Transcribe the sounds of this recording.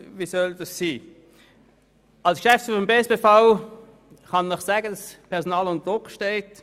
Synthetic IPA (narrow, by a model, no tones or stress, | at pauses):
viːsœld̥ɑssiː | ɑlskʃɛft͡ssfyːfɔmbeːsb̥eːfaʊ | χɑnːəχsɛɡəd̥ɑspʰɛɐʁsonaːlʊntəd̥ʁʊkʃteɪt